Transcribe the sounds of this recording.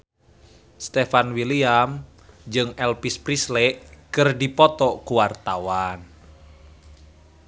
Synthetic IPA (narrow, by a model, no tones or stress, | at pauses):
st̪ɛfanwiliam | d͡ʒɨŋɛlpispɾislɛʔkɨrdipɔt̪ɔkuwart̪awan